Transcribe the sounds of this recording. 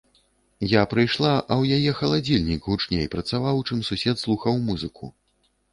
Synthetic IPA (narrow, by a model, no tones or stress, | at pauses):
japɾɨjʂlˠaʔɐwjajɛxɐlˠad͡zʲilʲnʲikɣut͡ʂnʲejpɾɐt̪savawt͡ʂɨmsusʲɛt̪slˠuxɐwmuzɨkʰṵ